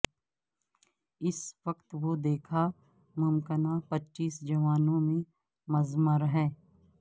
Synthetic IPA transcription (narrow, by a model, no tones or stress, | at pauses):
ɪsʋəkt̪ʋod̪eːkʰa | mʊmkənapətːʃiːsd͡ʒɐʋaːnõmẽ | mɐzməɾɦɛː